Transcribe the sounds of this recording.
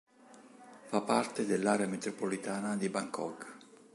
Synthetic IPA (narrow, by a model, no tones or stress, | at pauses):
fapːart̪ed̪elːaːɾeamet̪ɾopolit̪aːnad̪ibaŋkɔ̰kː